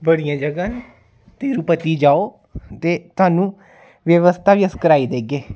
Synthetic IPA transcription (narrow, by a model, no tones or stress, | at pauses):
bəɽijãːd͡ʒəɡãːn | t̪eːɾuːpət̪iːd͡ʒaːoː | t̪eːt̪ʊaːnũː | ʋjəʋəst̪ʰaːʋiːəskəɾaːiːd̪eːɡeː